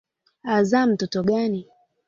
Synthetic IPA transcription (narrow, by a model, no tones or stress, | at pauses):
azaːm̩tɔtɔɡani